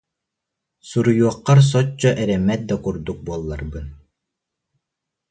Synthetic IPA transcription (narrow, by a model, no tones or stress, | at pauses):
suɾujuɔqːɑɾs̬ɔt͡ɕːɔʔɛɾɛmɛt̪̚d̪akuɾd̪uk̚buɔlˠːaɾbɯn